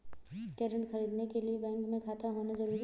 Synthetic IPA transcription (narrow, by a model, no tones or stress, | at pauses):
kɛːɾə̃ɳʈxɐɾiːd̪nekeliebɛ̃ːŋkmẽkʰaːt̪ʰaɦoːnazɐɾuːɾi